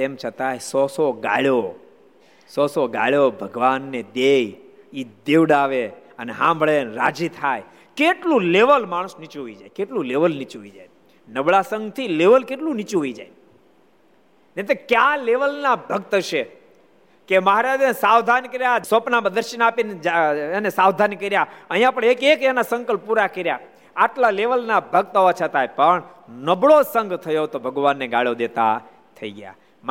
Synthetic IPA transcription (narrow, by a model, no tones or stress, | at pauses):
t̪emt͡ʃʰət̪ajsɔsoɡa̰ɭjo | sɔsoɡa̰ɭjobʱəɡʋanːed̪ej | id̪eʋɽaʋeəneɦãmbəɭenɾa̰d͡ʒit̪ʰaj | keʈlũleʋəlmaɽ̃əsnit͡ʃuɦoid͡ʒajkeʈlũleʋəlnit͡ʃuɦoid͡ʒaj | nəʋɭasəŋɡt̪ʰileʋəlkeʈlũnit͡ʃuɦoid͡ʒa̰j | net̪ekjaleʋəlnabʱəɡt̪ʃe | keməɦaɾad͡ʒnesaʋd̪ʱankəɾjasopnapəd̪əɾʃənapineenesaʋd̪ʱankəɾjaəɦijãpəɳekekɛnasə̃ŋkəlpːuɾakəɾja | aʈlaleʋəlnabʱəɡ̚t̪ɦoʋat͡ʃʰət̪ajpəɳnəbɭosəŋɡt̪ʰəjot̪obʱəɡʋanːeɡa̰ɭjod̪et̪a̰ | t̪ʰəḭɡja̰ | m